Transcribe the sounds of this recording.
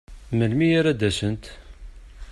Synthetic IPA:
məlmijæɾæd̪æsənt̪

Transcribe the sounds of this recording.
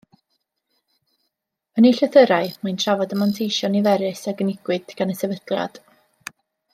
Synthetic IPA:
əniɬɛθəɾaɨmantʰravɔdəmantʰejʃɔnivɛɾɪsaɡənɪɡ̥wɨd̥ɡ̥anəsɛvədlˠja̰d̥

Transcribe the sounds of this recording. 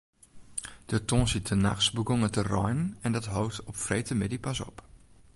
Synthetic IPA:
d̥ətõːsitʰəna̰xsbəɡoŋətərɔjnənɛndɔtɦowtɔpfrejtəmɪdipasɔ̰p

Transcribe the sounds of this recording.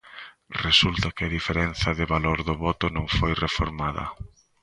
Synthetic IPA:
result̪ɐkɪɐðifeɾɛnθɐðɪβaloɾðʊβɔt̪ʊnõŋfojrefo̰ɾmaðɐ̰

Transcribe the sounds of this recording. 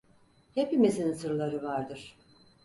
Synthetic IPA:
jepimesinɯsɯɾlˠaɾɯvaɾd̪ɯɾ̥

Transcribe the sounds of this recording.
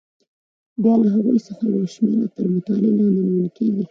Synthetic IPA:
b̪jɑlaɦaɣujsəxajawʃmeɾapəɾmʊt̪ɑlelɑnaniwəlkeɡi

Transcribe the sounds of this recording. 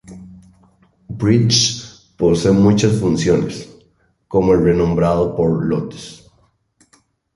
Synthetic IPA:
bɾit͡ʃ | po̞semut͡ʃasfunsjo̞ne̞s | ko̞moelrenõ̞mbɾað̞o̞po̞ɾlo̰t̪e̥s

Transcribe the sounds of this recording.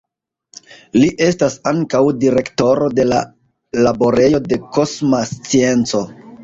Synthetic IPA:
liʔe̞stasaŋkawdiɾe̞kto̞ɾo̞de̞la | labo̞ɾe̞jo̞de̞ko̞smast͡sie̞nt͡so̞

